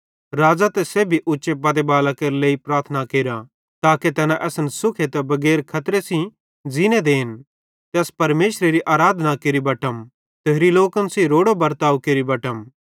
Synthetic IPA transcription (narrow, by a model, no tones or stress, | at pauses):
ɾaːd͡zat̪ɛsebʱiʔʊtːʃepɐd̪ebaːlakeɾleːipɾaːɾt̪ʰənakeːɾa | t̪aːket̪ɛːnãʔɛːsənsʊkʰet̪ɛbɐɡɛːɾkʰɐt̪ɾesĩ | d͡zined̪eːn | t̪ɛːspɐɾmeːʃɾeɾiʔaːɾaːd̪ʱnakeːɾibɐʈəm | t̪eɦɾiloːkənsiɾoːɽobɐɾt̪aːukeːɾibɐʈəm